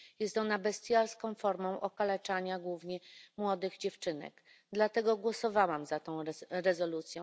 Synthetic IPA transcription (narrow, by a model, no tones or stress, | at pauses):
jɛst̪ɔnabɛst̪ʲjaɾskɔ̃w̃fɔɾmɔ̃w̃ʔɔkalɛt͡ʂaɲaɡwuvɲɛmwɔd̪ɘɣd͡ʑɛft͡ʂɘnɛ̰ɡ | d̪lat̪ɛɡɔɡwɔsɔvawamzat̪ɔ̃w̃ɾɛzɔlut̪sʲjɔ̃w̃